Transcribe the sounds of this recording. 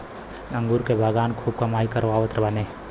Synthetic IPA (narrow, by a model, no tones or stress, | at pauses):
ə̃ŋɡuːɾkebʱaɡaːnkʰuːb̚kɐmaːikɐɾʋaːʋət̪ɾəbaneː